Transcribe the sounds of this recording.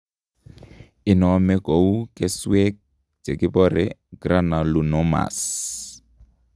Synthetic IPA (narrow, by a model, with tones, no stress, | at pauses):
i˨nɔmɛ˦ɡo˨u˦kʼɛ˦swɛk | d͡ʒe˨ki˦pɔɾɛɡ̥ra˦na˨lu˨nɔma̰s